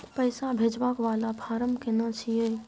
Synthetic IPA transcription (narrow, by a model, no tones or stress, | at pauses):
pəɪsabʱed͡ʒbakʋaːlabʱaːɾəmkenat͡ʃʰije